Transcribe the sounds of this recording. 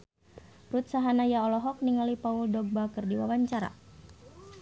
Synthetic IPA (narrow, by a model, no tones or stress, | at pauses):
rut̪̚saɦanajaɔlɔɦɔk̚niŋalipauldɔɡ̚bakɨrdiwa̰waɲt͡ʃaɾa̰